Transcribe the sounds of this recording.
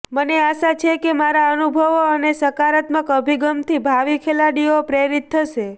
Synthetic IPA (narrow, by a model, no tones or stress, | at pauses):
məneaʃat͡ʃʰekemaɾaənubʱəʋoənesəkaɾət̪məkəbʱiɡəmt̪ʰibʱaʋikʰelaɽiopɾeɾit̪ʰːəʃe